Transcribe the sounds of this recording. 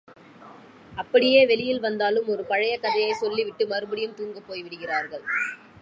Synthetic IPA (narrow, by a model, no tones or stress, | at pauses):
ɐpːɐɽɪjeːʋɛlɪjɪlʋɐnd̪aːlɯmɔɾɯpɐɻɐjɐkːɐðɐjɐɪsɔlːiʋɪʈːɯmɐɾɯbɯɽɪjɯmt̪uːŋɡɐpːoːjʋɪɽɯɣɪraːɾɣɐɭ